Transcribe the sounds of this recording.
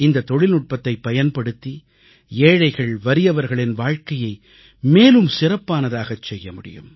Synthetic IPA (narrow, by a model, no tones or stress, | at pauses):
ɪnd̪ɐt̪ːɔɻɪlnɯʈ̚pɐt̪ːɐɪpːɐjɐnpɐɽɯt̪ːi | eːɻɐɪɣɐɭʋɐɾɪjɐʋɐɾɣɐɭɪnʋaːɻkɐjɐɪ | meːlɯmsɪrɐpːaːnɐðaːɣɐt͡ʃsɛjːɐmʊɽɪ̰jɯ̰m